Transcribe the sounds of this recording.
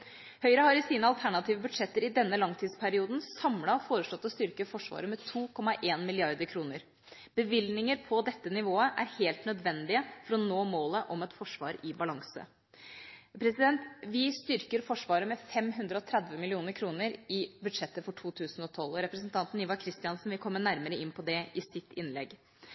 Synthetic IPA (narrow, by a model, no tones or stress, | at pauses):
hœʏɾəhɑɾɪsiːnəɑlt̪ʰæɳɑt̪iːʋəbʉd̪ʂɛt̪ːəɾɪd̪ɛnːəlɑŋt̪ʰiːd̪spʰæɾɪuːd̪n̩sɑmlɑɔfoːɾəʂɭɔt̪ːɔst̪ʏɾkəfɔʂʋɑ̰ːɾəmɛt̪ʰuːkʰɔmːɑʔeːnmɪlɪɑɾd̪əɾkʰɾuːnəɾ | b̥əʋɪlnɪŋəɾpʰɔd̪ɛt̪ːənɪʋoːəʔæɾheːlt̪nœd̪ʋɛnd̪ɪəfɔɾɔnoːmoːləʔɔmɛt̪fɔʂʋɑ̰ːɾɪbɑlɑŋsə̰ | pʰɾɛsɪd̪ɛnt̪ʋɪst̪ʏɾkəɾfɔʂʋɑːɾəmɛfɛmɦʉnd̪ɾəɔt̪ʰɾæd̪ʋəmɪlɪuːnəɾkʰɾuːnəɾɪbʉd̪ʂɛt̪ːəfɔʈʰuːt̪ʰʉːsnɔt̪ʰɔlɔɾɛpɾəsn̩t̪ʰɑnt̪n̩ɪʋɑkʰɾɪst̪ɪɑnsn̩ʋɪlkʰɔmːəɳæɾməɾəɪnpʰɔd̪ɛʔɪsɪt̪ːɪnlɛ̰ɡ